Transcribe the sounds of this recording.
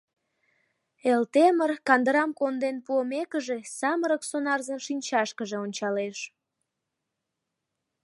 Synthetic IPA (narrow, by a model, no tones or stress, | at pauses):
elt̪emərkɑnd̪əɾɑmkond̪enpuəmekəʒesɑməɾəksonɑrzənʃinʲt͡ɕɑʃkəʒeonʲt͡ɕɑleʃ